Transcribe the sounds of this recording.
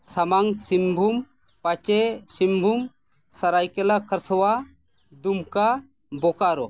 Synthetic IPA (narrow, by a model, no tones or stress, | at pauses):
samaŋsimbʱum | pat͡ʃɛsimbʱum | saɾajkɛlakʰəɾsɔwa | d̪umka | bɔkaɾɔ